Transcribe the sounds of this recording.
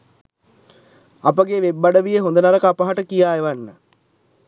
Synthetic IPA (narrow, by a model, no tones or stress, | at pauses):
apəɡeʋebːaɖəʋijəɦond̪ənaɾəkəapəɦaʈəkijaːeʋanːə